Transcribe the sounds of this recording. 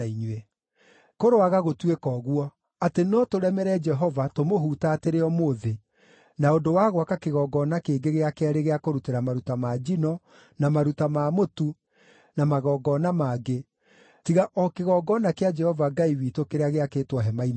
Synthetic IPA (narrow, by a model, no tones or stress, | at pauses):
aiɲwɛ | koɾoaɣaɣotwekɔːɣwɔ | atenɔtoɾɛmɛɾɛd͡ʒɛɦɔvatomoɦuːtaːteɾeɔmoːðe | naondowaɣwakakeɣɔːɡɔnakeːɡeɣeakeaɾeɣeakoɾuteɾamaɾutamad͡ʒinɔ | namaɾutamaːmotu | namaɣɔːɡɔnamaːɡe | tiɣaʔɔkeɣɔɡɔnakead͡ʒɛhɔvaɡaiwitokeɾeaɣeakeːtwɔɦɛmaim